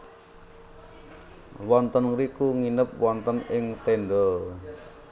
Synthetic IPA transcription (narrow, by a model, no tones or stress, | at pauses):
wɔnt̪ənɾikuŋinəp̚wɔnt̪ənɪŋt̪eɳɖɔ